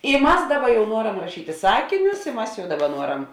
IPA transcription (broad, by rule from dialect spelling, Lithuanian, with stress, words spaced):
ɪ ˈmɐs ˈdɑːˌbɐ jɛʊ ˈnuɔrɐm rɐˈʃʲiːtʲɪ ˈsɑːkʲɪnʲʊs ɪ ˈmɐs jɛʊ ˈdɑːˌbɐ ˈnuɔrɐm